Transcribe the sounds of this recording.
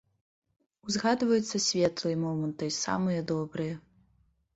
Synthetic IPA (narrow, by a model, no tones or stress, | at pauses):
wzɣad̪vɐjut̪sːɐsʲvʲɛt̪lˠɨjɛmɔmɐnt̪ɨisa̰mɨjɐd̪ɔbɾɨjɛ